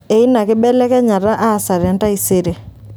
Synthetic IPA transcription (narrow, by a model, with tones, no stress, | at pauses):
e˨i˦na˨kɪ˦ɓɛ˦lɛ˦kɛ˦ɲa˨ɾa˦ʔa˦˨sa˨ɾja˨nta˦i˨se˦ɾe˨